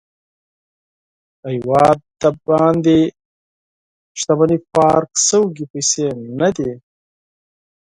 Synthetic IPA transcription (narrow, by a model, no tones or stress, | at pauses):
ajwɑːd̪̚t̪abɑːnd̪e | ʃt̪amanipɑːɾksəwɡipajsenad̪i